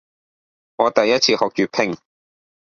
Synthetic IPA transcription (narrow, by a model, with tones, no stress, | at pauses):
ŋɔː˨˧t̪ɐ˨jːɐ˥t̚t͡sʰiː˧hɔː˨k̚t͡ʃyː˨pʰɪ˧˩ŋ